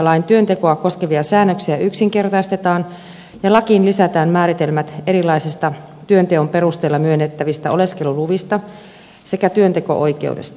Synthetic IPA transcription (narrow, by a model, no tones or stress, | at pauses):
lɑint̪yønt̪e̞ko̞ɑko̞skeʋiɑsæːnːøksiæyksiŋke̞rt̪ɑist̪et̪ɑːn | jɑlɑkinlisæt̪æːmmæːɾit̪elmæt̪e̞ɾilɑisest̪ɑ | t̪yønt̪eompe̞rust̪eːlːɑmyønːet̪ːæʋist̪æoleske̞luluʋist̪ɑ | se̞kæt̪yønt̪eko̞̰ʔo̞jke̞̰ṵdḛst̪ɑ